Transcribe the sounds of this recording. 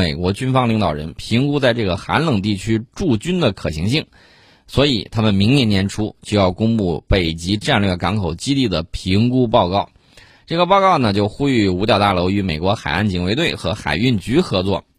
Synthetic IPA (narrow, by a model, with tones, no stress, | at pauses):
e˨˩ɪkwɔ˧˥t͡ɕy˥nfɑ˥ŋli˧˥ŋd̪ɑ˨˩ʊɻə̰˧˥npʰi˧˥ŋku˥t͡sa˥˧ɪʈ͡ʂɤ˥˩ɡə˩xa̰˧˥nlɤ˨˩ŋt̪̬i˥˩t͡ɕʰy˥ʈ͡ʂu˥˩t͡ɕy˥nd̪ə˨kʰɤ˨˩ɕi˧˥ŋɕi˥˩ŋ | swɔ˧˥i˨˩t̪ʰa˥mə˨nmi˧˥ŋnjɛ˧˥njɛ˧˥nʈ͡ʂʰu˥t͡ɕjo˥˧ʊjɑ˥˩ʊkʊ˥ŋpu˥˩pe˨˩ɪt͡ɕi˧˥ʈ͡ʂa˥˧nlɥɛ˥˩kɑ˧˥ŋkʰo˨˩ʊt͡ɕi˥t̪i˥˩d̪ə˩pʰi˧˥ŋku˥pɑ˥˧ʊkɑ˥˩ʊ | ʈ͡ʂɤ˥˩ɡə˩pɑ˥˧ʊkɑ˥˩ʊnə˩t͡ɕjo˥˧ʊxu˥y˥˩u˧˥t̪jɑ˧˩ʊt̪a˥˩lo˧˥ʊy˧˥me˨˩ɪkwɔ˧˥xa˨˩ɪa˥˩nt͡ɕʰi˧˥ŋwe˧˥ɪt̪we˥˩ɪxɤ˧˥xa̰˨˩ɪy˥˩nt͡ɕy˧˥xɤ˧˥t͡swɔ˥˩